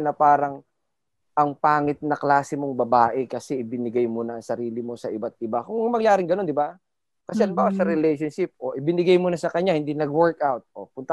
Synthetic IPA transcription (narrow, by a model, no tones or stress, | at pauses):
nɐpaːɾɐŋ | ʔɐŋpaːŋɪt̪̚nɐklaːsɪmo̞ŋbɐbaːʔɛkɐsɛʔɪbɪnɪɡajmonɐːŋsɐɾiːlɪmo̞sɐʔɪbat̪̚ɪbakʊŋmŋɐmɐŋjaːɾɪŋɡɐno̞nd̪ɪba | kɐsɛɐlmbaːwasɐɾɪlɛjʃonʃɪp̚ʔo̰ʔɪbɪnɪɡajmonɐsɐkɐɲahɪnd̪inɐɡwɛɹkʔawt̪̚ʔopʊnt̪ɐ